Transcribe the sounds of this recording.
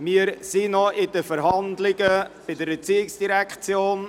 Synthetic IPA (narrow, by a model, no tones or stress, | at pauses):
mɪəɾsinɔɪdəfəɾɦɑndlɪɡəb̥ɪdəɾət͡siːɪksd̥iɾækt͡sjoːn